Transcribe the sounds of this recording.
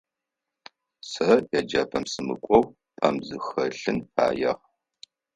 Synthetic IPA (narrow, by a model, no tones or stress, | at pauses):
sɐjɐd͡ʒɐpʰɐmsɨmɨ̰kʷʼɔw | pʼʰamzɨxɐɬɨnpʰa̰ːjɐ̰ʁ